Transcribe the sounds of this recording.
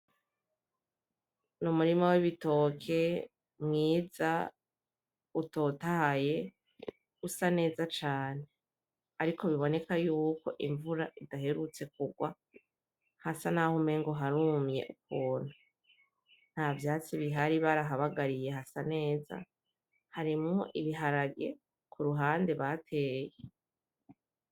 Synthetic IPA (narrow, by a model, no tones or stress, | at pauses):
numuɾimawiβito̞kʰe̞ | mŋiːza̰ | uto̞tahaje̞ | usane̞ːzat͡ʃaːne̞ | aɾiko̞βiβo̞ne̞kajuːko̞ʔiɱvuɾaʔidaɦe̞ɾut͡se̞k̚uɡwa̰ | hasanahumeŋɡo̞ɦaɾuːmɲe̞̰ʔuk̚uːn̥u | n̥haːvjaːt͡siβiɦaɾiβaɾaɦaβaɡaɾije̞ɦasane̞ːza̰ | haɾimŋoʔiβiɦaɾaɡe | kʰuɾuɦaːnde̞βatʰe̞ːje